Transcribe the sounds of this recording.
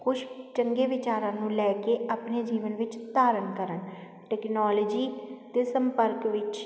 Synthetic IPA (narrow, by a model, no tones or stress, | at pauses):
kʊʃt͡ʃəŋɡeːʋɪt͡ʃaːɾãːnũːlɛːkeːʔaːpneːd͡ʒiːʋənʋɪt͡ʃt̪aːɾənkəɾən | ʈɛːknɔːloːd͡ʒiːt̪eːsəmpəɾkʋɪt͡ʃ